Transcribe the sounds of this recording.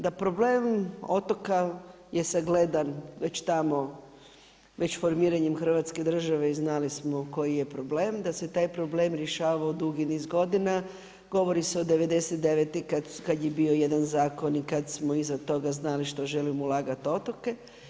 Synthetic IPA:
d̪apɾo̞ble̞ːmo̞t̪o̞ka | je̞saɡled̪anʋe̞t͡ɕt̪amo̞ | ʋe̞t͡ɕfo̞ɾmiːɾaɲemxr̩ʋat̪ske̞d̪r̩ʒaʋe̞iznalismo̞ko̞jije̞pɾo̞bleːmd̪ase̞t̪aːjpɾo̞ble̞ːmɾje̞ʃaːʋaod̪uɡinizɡo̞d̪ina | ɡ̥o̞ʋo̞ɾiseo̞d̪e̞ʋe̞d̪e̞set̪d̪e̞ʋet̪ikad̪kad̪jebio̞je̞d̪anzaːko̞nikad̪smo̞izat̪o̞ɡaznaliʃt̪o̞ʒe̞limoulˠaːɡat̪o̞t̪oke̞

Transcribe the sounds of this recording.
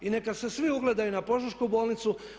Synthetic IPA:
ine̞kase̞sʋiuɡle̞d̪ajunapo̞ʒuʃkubo̞ːlnit̪su

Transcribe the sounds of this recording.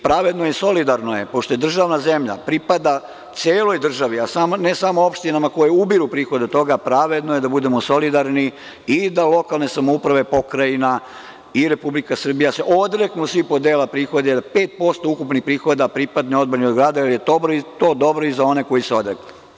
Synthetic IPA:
pɾaʋe̞d̪nojɛso̞lid̪aɾno̞je̞po̞ʃt̪o̞jed̪r̩ʒaʋnaze̞mʎa̰pɾipad̪a | t̪sʲjeːlˠojd̪r̩ʒaʋiasamonesamoo̞pʃt̪inamakojeubiɾupɾiːxo̞d̪et̪o̞ɡapɾaʋe̞d̪nojed̪abud̪e̞moso̞lid̪aɾni | id̪alo̞kalne̞samoupɾaʋe̞po̞kɾajina | iɾe̞publikasr̩bijaseʔo̞d̪ɾeknusʋipo̞d̪eːlapɾiːxo̞d̪ed̪apeːt̪̚po̞st̪oukupnixpɾiːxod̪apɾipad̪neo̞d̪baniod̪ɡɾaːd̪aalijet̪obɾoit̪o̞ːd̪o̞bɾo̞izao̞ne̞ko̞jiseo̞d̪ɾḛknu

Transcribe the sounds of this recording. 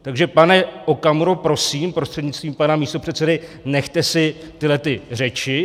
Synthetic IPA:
t̪aɡʒɛpanɛʔo̞kamɾopɾo̞siːmpɾo̞st̪r̥ɛdɲɪt͡st̪viːmpanamiːst̪o̞pr̥ɛt̪sɛdɪnɛxt̪ɛsɪ | t̪ɪlɛt̪ɪr̝ɛt͡ʃɪ

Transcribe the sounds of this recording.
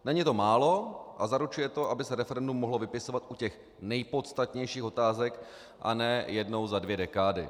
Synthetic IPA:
nɛɲɪt̪o̞maːlo̞ʔazaɾut͡ʃujɛt̪o̞ʔabɪsɛɾɛfɛɾɛndumːo̞ɦlo̞vɪpɪso̞vat̪ʔucɛx | nɛjpo̞t̪st̪at̪ɲɛjʃiːxo̞t̪aːzɛk | ʔa̰nɛjɛdno̞wzadvjɛdɛkaːdɪ

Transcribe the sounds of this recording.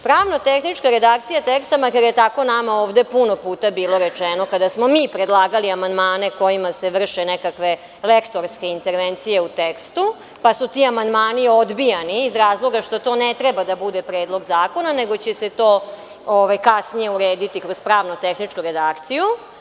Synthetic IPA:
pɾaːʋnot̪exnit͡ʂkaɾed̪akt̪ijat̪ekst̪amakad̪jet̪ako̞namaoːʋd̪e̞puno̞puːt̪abiːlˠo̞ɾet͡ʂeno̞kad̪asmomiːpɾed̪lˠaːɡaliamand̪maːne̞ko̞jimase̞ʋr̩ʃe̞nekakʋe̞ | lekt̪o̞ɾske̞int̪e̞ɾʋent̪sije̞ut̪ekst̪u | pasut̪iamand̪maːnio̞d̪bijaniːzɾaːzlˠo̞ɡaʃt̪o̞t̪o̞ːnet̪ɾebad̪abud̪e̞pɾeːd̪lˠo̞ɡzaːko̞nane̞ɡo̞t͡ɕe̞se̞t̪o̞ː | oʋajkasnije̞uɾeːd̪it̪ikɾo̞zpɾaːʋnot̪exnit͡ʂkuɾe̞d̪akt̪siju

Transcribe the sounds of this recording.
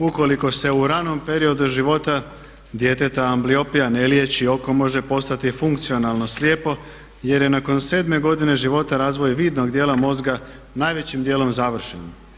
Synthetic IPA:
uko̞liko̞se̞uɾano̞mpe̞ɾio̞d̪uʒiʋo̞t̪a | d̪je̞t̪et̪aːmblio̞pijane̞lje̞t͡ɕio̞ko̞mo̞ʒe̞po̞st̪at̪ifuŋkt̪sio̞nalˠno̞slje̞ːpo̞ | je̞ɾje̞nako̞nse̞ːd̪me̞ɡo̞d̪ine̞ʒiʋo̞t̪aɾaːzʋo̞jʋiːd̪no̞ɡd̪je̞ːlamo̞zɡa | naːjʋe̞t͡ɕimd̪je̞ːlo̞mzaʋr̩ʃen

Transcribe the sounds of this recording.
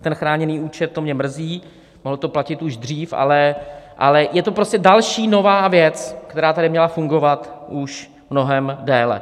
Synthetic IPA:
t̪ɛnxɾaːɲɛniːuːt͡ʃɛt̪̚ːomɲɛmr̩ziː | moɦlot̪oplacɪt̪uʒd̪r̝iːfʔa̰lɛʔa̰lɛjɛt̪opɾo̞scɛdalʃiːno̞vaːvjɛt͡skt̪ɛɾaːt̪aɾɪmɲɛlafuŋɡo̞vat̪ʔuʃ | mno̞ɦɛmdɛːlɛ̰

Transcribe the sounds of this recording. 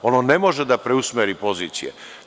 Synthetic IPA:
o̞nonemo̞ʒed̪apɾeusmeɾipo̞ziːt̪sijḛ

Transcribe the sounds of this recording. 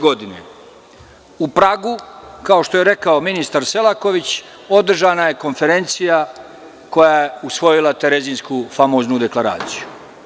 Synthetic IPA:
ɡod̪inḛ | upɾaːɡukao̞ʃt̪oje̞ɾe̞kaominist̪aɾse̞lˠako̞ʋit͡ɕ | o̞d̪r̩ʒaːnaje̞ko̞nfe̞ɾe̞nt̪sija | ko̞jaːje̞usʋo̞jilˠat̪e̞ɾe̞ziːnskufamoznud̪e̞klˠaɾa̰ːt̪siju

